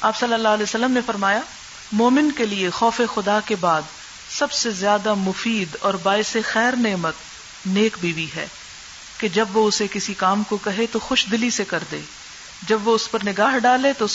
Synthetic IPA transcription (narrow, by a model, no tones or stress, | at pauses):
aːpsɐlːəlːaːɦəlɛːsɐlːəmnefɐɾmaːja | mɔːmɪnkeliexɔːfexʊd̪akebaːd̪ | sɐbsezjaːd̪amʊfiːd̪ɔːɾbaːɪsexɛːɾneːmət̪ | neːkbiːbiɦɛ̰ː | ked͡ʒɐbʋoʊsekɪsikaːmkokɐɦet̪oxʊʃd̪ɪlisekɐɾd̪ḛː | d͡ʒɐbʋoʊspɐɾnɪɡaːɦɖaːlet̪o